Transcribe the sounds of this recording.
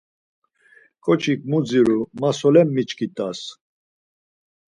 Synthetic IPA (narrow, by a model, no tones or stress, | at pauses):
kʼɔt͡ʃʰik̚ʼmud͡ziɾumasɔlɛmːit͡ʃkʰʼit̪ʼas